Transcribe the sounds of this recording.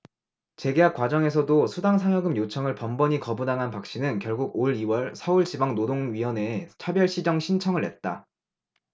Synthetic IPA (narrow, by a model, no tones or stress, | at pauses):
t͡ɕe̞ɡe̞ɦak͈wad͡ʑʌŋe̞sʰʌdosʰudaŋsʰaŋjʌɡɯmjot͡ɕʰʌŋɯɭpʌmbʌɲikʌbudaŋɦanpak̚ɕ͈inɯnkjʌɭɡuɡoɾiwʌɭsʰʌuɭt͡ɕibaŋnodoŋɥiwʌne̞t͡ɕʰabjʌɭɕ͈ʰid͡ʑʌŋɕʰint͡ɕʰʌŋɯɭɦe̞t̚t͈a